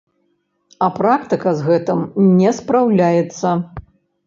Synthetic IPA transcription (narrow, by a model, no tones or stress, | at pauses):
ɐpɾakt̪ɨkɐzɣɛt̪ɨmnʲɛspɾawlʲajɛt̪sːɐ